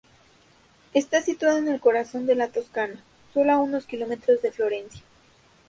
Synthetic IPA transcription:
e̞st̪asit̪waðoene̞lko̞ɾaso̞nd̪e̞lat̪o̞skana | so̞loauno̞skilo̞me̞t̪ɾo̞zðe̞flo̞ɾe̞nsja

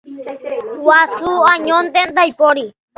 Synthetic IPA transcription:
wasuaɲont̪end̪ajpoɾi

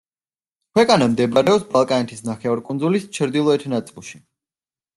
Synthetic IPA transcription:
kʰwɛkʼanamd̪ɛbaɾɛɔpsbalˠkʼanɛt̪ʰisnaχɛɔɾkʼund̪zulist͡ʃʰɾd̪ilˠɔɛt̪ʰnat̪sʼilˠʃi̥

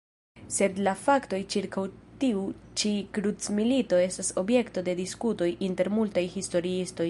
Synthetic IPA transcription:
se̞dlafakto̞jt͡ʃiɾkawtiut͡ʃikɾut͡smilito̞e̞staso̞bje̞kto̞de̞diskuto̞jʔinte̞ɾmultajhisto̞ɾiisto̞j

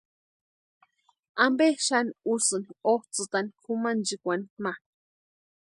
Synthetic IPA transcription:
ambeʃaniusɨnioht͡sɨt̪anikʰumand͡ʒikʷanima

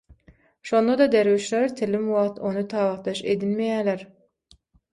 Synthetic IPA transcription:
ʃo̞nd̪ɑd̪ɑd̪eɾwiʃleɾt̪ʰɪlimwɑʁt̪ʰo̞nut̪ʰɑːʁɑʁt̪d̪ɑʃed̪ilmejæːleɾ

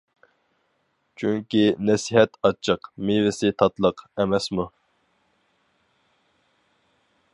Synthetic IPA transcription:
t͡ʃʰyŋkʲinɛsiɦɛt̪ʰɑt͡ʃʰːəqmɪvɪsɪt̪ʰɑt̪lˠəqɛmɛsmu

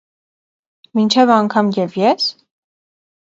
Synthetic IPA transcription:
mint͡ʃʰɛvɑŋkʰɑmjɛvjɛs

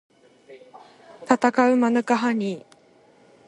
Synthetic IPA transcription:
t̪at̪akaɯmanɯkaɦaɲi

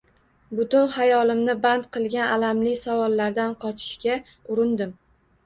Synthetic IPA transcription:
bʊt̪ʊnhajɒlɪmnɪbant̪̚qʰɨlˠɡʲanʔalamlɪsavɒlːaɾd̪anqʰɒt͡ʃʰɪ̥ʃkʲa | ʊɾɪnd̪ɪm

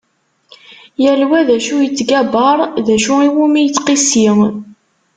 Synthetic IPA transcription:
jælwæðæʃujət͡sːɡæbəɾˤðæʃuiwumijət͡sːqisi

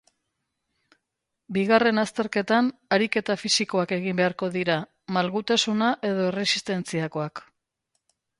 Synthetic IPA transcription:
biɣare̞nast̪e̞ɾke̞t̪anaɾike̞t̪afisiko̞ake̞ɣimbe̞aɾko̞ðiɾa | malɣut̪asunaʔe̞ð̞o̞ere̞si̥st̪e̞nt͡siako̞ak

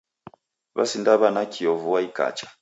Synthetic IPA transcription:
βa̰sindaβanakʰiɔvuwaika̰t͡ʃḁ

